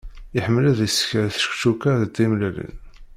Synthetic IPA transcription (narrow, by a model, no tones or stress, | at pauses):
iħəmːəlæðisə̥çəɾθʃkt͡ʃːukaðt̪ːimlælḭn